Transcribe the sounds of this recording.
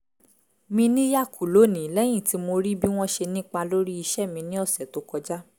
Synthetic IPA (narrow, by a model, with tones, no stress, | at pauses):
mĩ˧nĩ˦ja˦˨kʰu˨lo˨˦nĩ˨˦lɛ˦j̃ĩ˦˨ti˨˧˦mo˧ɾi˦bi˦w̃ɔ̃˦ʃe˧nĩ˦k͡pa˧lo˦ɾi˦i˧ʃɛ˦˨mĩ˧nĩ˦ɔ˦˨sɛ˨to˨˦kɔ˧d͡ʒa˦